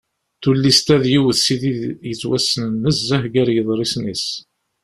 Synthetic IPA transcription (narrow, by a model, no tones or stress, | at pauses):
θulːist̪æðjiwəðsiðijət͡sːwæsːənnːəsːæhɡæɾjəðˤɾˤisnis